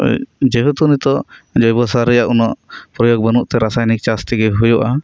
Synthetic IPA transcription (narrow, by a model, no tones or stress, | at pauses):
d͡ʒeɦut̪unit̪ɔd͡ʒɔjbɔsaɾɛjaʔunɔʔpɾɔjoɡ̚bənuʔt̪ɛɾasajnik̚t͡ʃast̪iɡɛɦujɔʔa